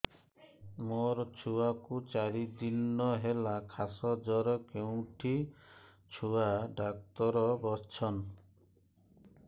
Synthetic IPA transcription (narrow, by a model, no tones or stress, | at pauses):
moɾt͡ʃʰuakut͡ʃaɽid̪ilnɔɦelakʰasɔd͡ʒɔɾɔkeũʈʰi | t͡ʃʰuaɖak̚t̪ɔɾɔbɔst͡ʃʰɔn